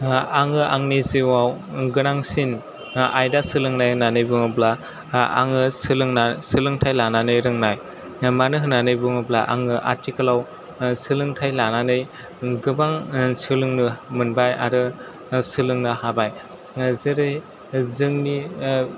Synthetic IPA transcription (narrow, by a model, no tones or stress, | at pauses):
aŋɯʔaŋniziwawɡɯnaŋsin | a̰jdasɯlɯŋnajhɯnanɯjbɯŋɯbla | a̰ŋɯsɯlɯŋnasɯlɯŋtʰajlananɯjɾɯŋnaj | manɯɦɯnanɯjbɯŋɯbla̰ʔa̰ŋɯʔa̰ɾtikɯlaw | sɯlɯŋtʰajlananɯj | ɡɯbaŋsɯlɯŋnɯmɯnbaja̰ɾɯ | sɯlɯŋnɯhabaj | zɯɾɯj | zɯŋni